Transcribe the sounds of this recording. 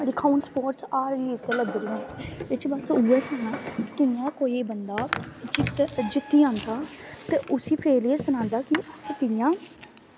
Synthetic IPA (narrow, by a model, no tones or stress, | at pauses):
ɖɪkʰaunspoːɾʈsaːɾiːt̪eləɡ̚d̪əlɦːet͡ʃʰibəsuːeːsɛːnãːkɪjãːkoːiːbənd̪aː | d͡ʒɪt̪ːiːãːnd̪aːt̪eːʔʊsiːpʰeːliesənãːnd̪aːkɪəspɪɪjãː